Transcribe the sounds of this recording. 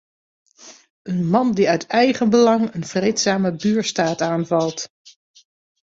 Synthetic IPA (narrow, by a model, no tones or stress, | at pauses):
ənmɑndiœɥtʰɛjχənbəlɑŋənv̥rejtsaːməbyːɹstaːtaːnvɑlˠt